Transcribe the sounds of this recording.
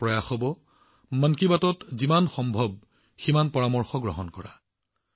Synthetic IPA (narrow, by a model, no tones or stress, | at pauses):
pɹɔjaxɔbɔ | mankibatɔtzimanxɔmbʱɔb̚ | ximanpɔɹamɔɹxɔɡɹɔɦɔnkɔɹa̰